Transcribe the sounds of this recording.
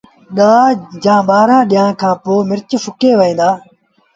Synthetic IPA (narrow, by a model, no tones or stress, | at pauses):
ɗaːd͡ʒãːɓaːɾãːɗɪjãːkʰãːpoːmɪɾt͡ʃfʊkeːʋəĩːd̪aː